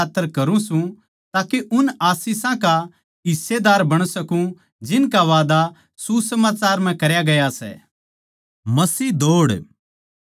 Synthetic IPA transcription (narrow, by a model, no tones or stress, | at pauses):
aːt̪ːəɾkɐɾũsũ | t̪aːkeʔʊnaːsɪsãka | ɦɪsːed̪aːɾbɐɽ̃sɐkũ | d͡ʒɪnkaʋaːd̪a | susɐmaːt͡ʃaːɾm̤ɛ̃kɐɾjaɡɐjasɛ̰ː | mɐsiːd̪oːɽ